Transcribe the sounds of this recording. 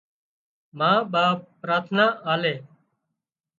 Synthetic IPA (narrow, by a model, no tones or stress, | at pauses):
mãːɓaːpɾaːt̪ʰnaːʔaːleː